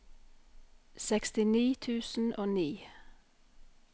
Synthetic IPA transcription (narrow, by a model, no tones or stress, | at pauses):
sɛkst̪ɪniːt̪ʰʉːsn̩ʔoːniː